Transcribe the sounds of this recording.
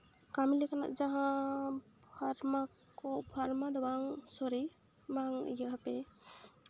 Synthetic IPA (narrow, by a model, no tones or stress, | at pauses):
kamilikana̰ʔd͡ʒaɦã | bʱaɾma | kɔbʱaɾmad̪ɔbaŋsɔɾi | maŋjəɦapɛ